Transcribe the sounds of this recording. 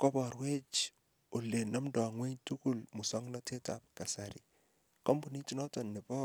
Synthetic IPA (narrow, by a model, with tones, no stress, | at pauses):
kɔ˦bɔ˨ɾwe˦t͡ʃ | o˨le˨nɔ˦mdɔ˨a˨ŋwe˦ɲtu˦ku˦lmʊ˨sɔ˦ŋnɔ˦te˦ta̰˨p̚ka˨sa˨ɾɪ̰˨ | kɔ˦mbu˨ni˦ti˦nɔ˦tɔ˨nːɪ˨bɔ˦